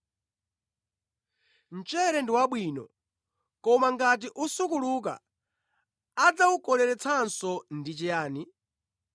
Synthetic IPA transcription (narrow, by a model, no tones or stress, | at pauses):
n̩t͡ʃɛɾɛndiwaɓwiːnɔ | kɔmaŋɡat̬iʔusukuluk̬a̰ | ad͡zaukɔlɛɾɛt͡sʰansɔndit͡ʃɛjaːni